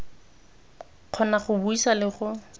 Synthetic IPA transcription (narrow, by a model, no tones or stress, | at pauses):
q͡χʰɔnaχʊbuisalɪχʊ